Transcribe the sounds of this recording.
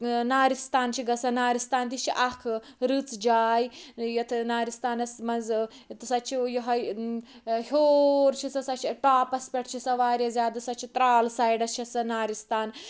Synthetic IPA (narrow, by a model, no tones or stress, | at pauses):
naːɾist̪aːnt͡ʃʰiɡɐsɐnaːɾist̪aːnt̪it͡ʃʰiʔɐkʰɾɨt͡sd͡ʒaːjjɐt̪ʰnaːɾist̪aːnɐsmɐnz | t̪ɨsɐt͡ʃʰijiɦɐj | hʲoːɾt͡ʃʰisɐsɐt͡ʃʰiʈaːpɐspʲeʈ̚ʰt͡ʃʰisɐʋaːɾjɐzʲaːd̪ɐsɐt͡ʃʰit̪ɾaːlsaːjɖɐst͡ʃʰisɐnaːɾist̪aːn